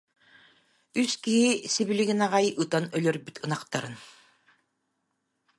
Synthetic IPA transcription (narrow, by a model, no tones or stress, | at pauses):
yskiɦisiβiliɡinaʁajʔɯt̪anœlœɾbyt̪ʰɯnaqt̪aɾɯn